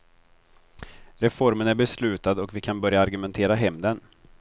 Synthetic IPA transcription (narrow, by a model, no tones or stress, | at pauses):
ɾɛfɔɾmənæɾbɛslʉ̟ːt̪ad̪ɔkvɪkʰanbœɾjaaɾɡɵmɛnt̪ʰeːɾaɦɛmd̪ən